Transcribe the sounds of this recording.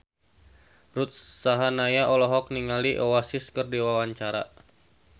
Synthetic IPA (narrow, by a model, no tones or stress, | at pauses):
rut̪̚saɦanajaʔɔlɔɦɔk̚niŋaliʔɔwasiskərdiwawaɲt͡ʃaɾa̰